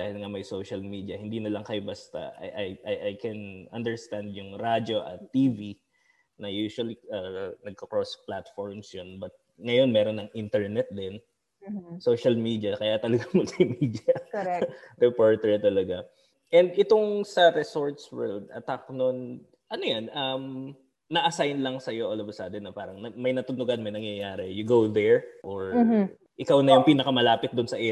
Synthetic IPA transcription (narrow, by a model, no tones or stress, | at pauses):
d̪aːhɪlŋɐmɐjsowʃɐlmid̪iɐhɪnd̪inɐlɐŋkɐjobast̪ɐ̰ʔɐ̰jʔɐjʔɐjʔajkɛnɐ̰nd̪ɛɹst̪and̪jʊŋɾad͡ʒo̞ʔɐ̰t̪ːiːvi | nɐjuʃwɐliɐnɐɡ̚kɐkɹosplat̪foɹmsjonbɐt̪̚ | ŋɐjo̞nmɛːɾonːɐŋʔint̪ɛɹnɛt̪̚d̪ɪn | soʃɐlmid̪iɐkɐjat̪ɐlɐɡamɐlmid̪ɪjɐ | ɾɛpoɹt̪ɛɹt̪ɐlɐɡa | ʔɛnd̪ɪt̪o̞ŋsɐɾɛsoɹt̪swɛ̰ld̪̚ʔɐ̰t̪ak̚non | ʔɐnojanɐm | nɐʔɐsajnlɐŋsɐjo̞ʔɐlobɐsaːd̪ɛnɐpaːɾɐŋnɐmɐjnɐt̪ʊnʊɡanmɐjnɐŋjɐjaːɾɛjʊɡowd̪ɛɹʔoɹ | ʔɪkawnɐjjʊŋpiːnɐkɐmɐlaːpɪt̪̚d̪ʊnsɐʔɛ